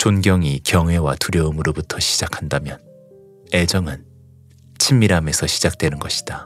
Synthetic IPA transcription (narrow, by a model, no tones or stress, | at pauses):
t͡ɕonɡjʌŋikjʌŋɦwe̞watuɾjʌɯmɯɾobutʰʌɕʰi̥d͡ʑakʰandamjʌn | e̞d͡ʑʌŋɯn | t͡ɕʰimːiɾame̞sʰʌɕʰid͡ʑak̚t͈we̞nɯnɡʌɕʰi̥d̥a